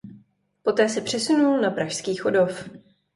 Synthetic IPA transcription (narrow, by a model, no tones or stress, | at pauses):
po̞t̪ɛːsɛpr̝̥ɛsunulnapɾaʃskiːxodo̞f